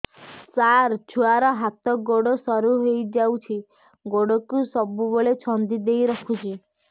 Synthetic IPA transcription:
saɾt͡ʃʰuaɾɔɦat̪ɔɡoɽɔsɔɾuɦejd͡ʒawt͡ʃʰi | ɡoɽɔkusɔbuboɭet͡ʃʰɔnd̪id̪ejɾɔkʰut͡ʃʰi

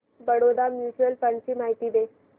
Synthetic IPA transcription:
bəɽod̪amjuːsəlfəɳɖt͡ɕiːmaɦit̪iːd̪e

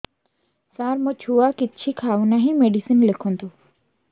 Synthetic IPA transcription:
saɾmɔt͡ʃʰuakɪtːt͡ʃʰikʰaːunaɦĩmeɖisinlekʰɔnt̪u

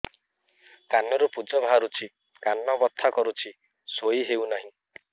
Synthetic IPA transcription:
kanɔɾupud͡ʒɔbʱaɾut͡ʃʰi | kanːɔbɔt̪ʰːakɔɾut͡ʃʰi | soiɦewnaɦĩ

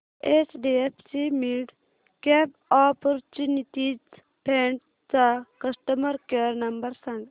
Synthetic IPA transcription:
esɖiepʰsimiɖ | kep | aːpoɾt͡ʃunit̪it͡s | peɳʈ | t͡sakɐsʈəmɐɾkeɾnɐmbəɾsɐ̃ŋɡ

